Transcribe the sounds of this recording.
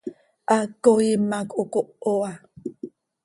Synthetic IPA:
ʔakoimakukoʔoa

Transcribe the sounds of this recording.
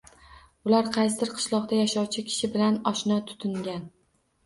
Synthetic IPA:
ʊlaɾqʰɑjsɪɾqʰɨ̥ʃlˠɒqd̪ajaʃɒwt͡ʃʰɪkʲʰɪ̥ʃɪbɪlanɒʃnɒt̪ʰʊ̥t̪ʰɪŋɡʲan

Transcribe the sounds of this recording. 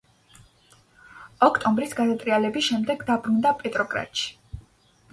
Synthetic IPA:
ɔkʰt̪ʼɔmbɾisɡad̪at̪ʼɾialɛbisʃɛmd̪ɛɡd̪abɾund̪apʼɛt̪ʼɾɔkʼɾa̰t̪ʃi̥

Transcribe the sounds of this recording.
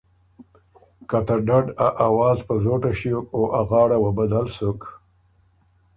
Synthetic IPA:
kat̪aɖaɖaʔawɑːzpəzoʈaʃiokoʔaɣɑːɽawabad̪alsʊk

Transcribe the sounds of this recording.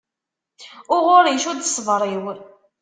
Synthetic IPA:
ʊʁʊɾiʃud̪sˤəvɾˤiw

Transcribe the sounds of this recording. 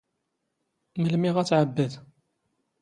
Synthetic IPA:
məlmiʁæt͡sːʕəbːəð

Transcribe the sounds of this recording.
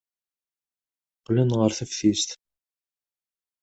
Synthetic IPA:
qːlənʁəɾθəfθist̪

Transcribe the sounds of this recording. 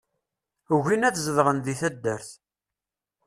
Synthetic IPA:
əʝinæt͡sːzəðʁənðiθæd̪ːəɾθ

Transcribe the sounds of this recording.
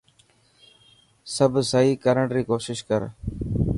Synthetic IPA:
səbʱsəɦiːkəɾəɳɾiːkoːʃɪʃkə̰ɾ

